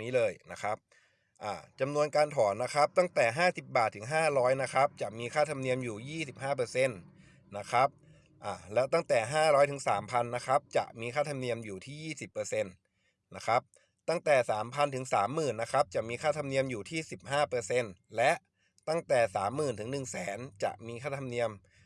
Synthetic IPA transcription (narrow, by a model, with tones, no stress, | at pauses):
niː˦˥lɤː˧jna˦˥kʰa˦˥p̚ | ʔaː˨˩t͡ɕa˧mnu˧ənkaː˧nt̪ʰɔː˩˦nːa˦˥kʰa˦˥p̚t̪a˥˩ŋt̪ɛː˨˩ɦaː˥˩si˨˩p̚baː˨˩t̪ʰːɯ˩˦ŋɦaː˥˩ɾɔː˦˥jna˦˥kʰa˦˥p̚t͡ɕa˨˩ʔmiː˧kʰaː˥˩t̪ʰa˧mni˧əmjuː˨˩jiː˥˩si˨˩p̚ɦaː˥˩p̬ɤː˧se˧nː | a˦˥kʰa˦˥p̚ | ʔaː˨˩lɛː˦˥wt̪a˥˩ŋt̪ɛː˨˩ɦaː˥˩ɾɔː˦˥jt̪ʰɯ˩˦ŋsaː˩˦mpʰa˧nːa˦˥kʰa˦˥p̚t͡ɕa̰˨˩ʔmiː˧kʰaː˥˩t̪ʰa˧mni˧əmjuː˨˩t̪ʰiː˥˩jiː˥˩si˨˩pːɤː˧se˧nː | na˦˥kʰa˦˥p̚ | t̪a˥˩ŋt̪ɛː˨˩saː˩˦mpʰa˧nt̪ʰɯ˩˦ŋsaː˩˦mːɯː˨˩nːa˦˥kʰa˦˥p̚t͡ɕa˨˩miː˧kʰaː˥˩t̪ʰa˧mni˧əmjuː˨˩t̪ʰiː˥˩si˨˩p̚haː˥˩pɤː˧se˧nlɛ˦˥ʔ | t̪a˥˩ŋt̪ɛː˨˩saː˩˦mːɯː˨˩nt̪ʰɯ˩˦ŋnɯ˨˩ŋsɛː˩˦nt͡ɕa̰˨˩ʔmiː˧kʰaː˥˩t̪ʰa˧mni˧əm